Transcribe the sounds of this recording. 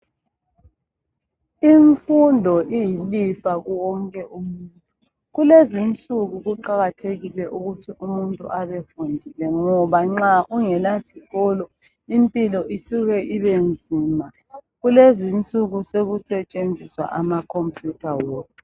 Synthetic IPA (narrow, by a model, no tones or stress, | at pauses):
iɱfundʱɔʔijilifaɣuwɔŋkʼɛʔumuuntʼu | ɣulezint͡sʼuɣuɣuǃaɣatʰeɣilɛʔuɣutʰiʔumuntʼṵʔaβefundʱilɛŋɔβaŋ͡ǁauŋɛlasiɣɔlɔ | impʼilɔʔisuɣɛʔiβend͡zʱiːma | ɣulezint͡sʼuɣuseɣusɛt͡ʃʼend͡zʱiswa̰ʔamakʰompʰʼjutʰawou